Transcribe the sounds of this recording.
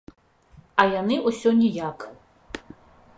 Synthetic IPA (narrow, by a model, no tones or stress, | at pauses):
ɐjanɨʔusʲɔnʲijak